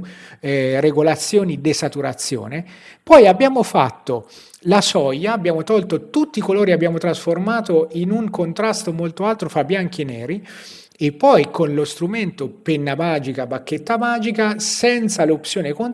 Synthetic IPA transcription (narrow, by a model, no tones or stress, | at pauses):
reɡolat̪sːjoːnid̪esat̪uɾa̰t̪sːjo̰ːnepɔjabːjaːmofa̰t̪ːo | lasɔjːaːbːjaːmot̪ɔlt̪ot̪ut̪ːikoloːɾiabːjaːmot̪ɾasformaːt̪oinuŋkont̪ɾast̪omolt̪oalt̪ɾofɾabːjaŋk̟ienːɛːɾi | epːɔjkonlost̪ɾument̪openːamaːd͡ʒikabakːet̪ːamaːd͡ʒikasɛnt̪salopsjoːnekon